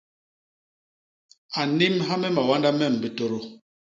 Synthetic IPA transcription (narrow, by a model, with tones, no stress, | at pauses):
a˨ni˦mɦa˦mɛ˦ma˨wa˦nda˦mɛ˦˨m̩˨bi˨to˦ɾo˦˨